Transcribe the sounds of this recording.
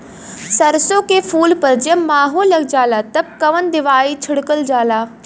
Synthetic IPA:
sɐɾsõkepʰuːlpɐɾd͡ʒemaːɦolːɐɡd͡ʒaːlat̪ɐb̚kɐʋənd̪ɪʋaːit͡ʃʰɪɽkəld͡ʒaːlaː

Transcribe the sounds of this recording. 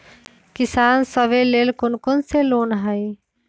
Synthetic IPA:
kɪsaːnsəʋeleːlkʊnkʊnseloːnɦai

